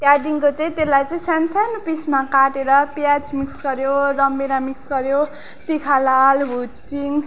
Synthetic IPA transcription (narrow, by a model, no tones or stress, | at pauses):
t̪jad̪iŋkot͡sʌĩt̪elːajt͡sʌĩsansanupismakaʈeɾʌpjad͡zmiksɡʌɾjoɾʌmbeɾamiksɡʌɾjo | t̪ikʰalalɦut͡siŋ